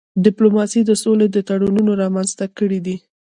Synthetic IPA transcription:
ɖɪplomɑsid̪əsoled̪ət̪aɽununoɾɑmanzt̪akəɽid̪i

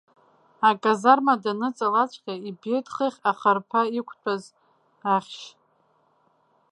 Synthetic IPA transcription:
akʼazarmadanɨt͡sʼalat͡ʃʷʰʼqʲaibetχɨχʲaχarpʰaikʷʰt͡pʷʰʼaz | aχʲʃ

